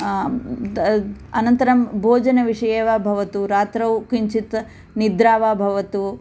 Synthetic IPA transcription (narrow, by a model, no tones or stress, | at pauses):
ɐnɐnt̪ɐɾɐmbʱoːd͡ʒɐnɐʋiʂɐjeːʋaːbʱɐʋɐt̪uɾaːt̪ɾɐwkiɲt͡ʃit̪ | nid̪ɾaːʋaːbʱɐʋɐt̪u